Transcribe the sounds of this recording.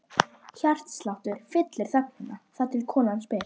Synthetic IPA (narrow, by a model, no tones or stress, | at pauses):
çar̥t̪slawht̪ʏɾ̥fɪt̪lɪɾ̥θœp̚nɪnːaθaðt̪ʰɪlkʰɔːnanspɪː